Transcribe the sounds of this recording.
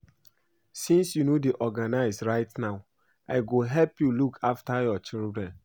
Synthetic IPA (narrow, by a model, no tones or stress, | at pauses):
sĩnsjunodeʔɔɡanaɪsɹaɪtnaʊ | ʔaɪɡoɦɛlpjulukʰaftajɔt͡ʃildɹɛ̃n